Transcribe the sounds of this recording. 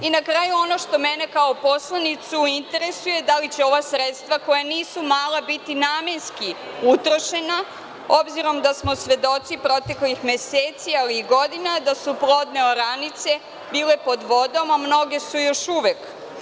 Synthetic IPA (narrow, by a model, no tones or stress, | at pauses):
inakɾajuo̞no̞ʃt̪o̞mene̞kaopo̞slˠanit̪suint̪e̞ɾesuje̞d̪alit͡ɕeo̞ʋasɾet̪st̪ʋako̞janiːsumaːlabit̪inaːme̞nski | ut̪ɾo̞ʃe̞na | obziɾo̞md̪asmo̞sʋe̞d̪o̞t̪sipɾo̞t̪e̞klixme̞seːt̪sialiːɡo̞d̪inad̪asuplo̞d̪neoɾanit̪se̞ | biːle̞po̞d̪ʋo̞d̪o̞mamno̞ɡe̞sujo̞ʃuʋek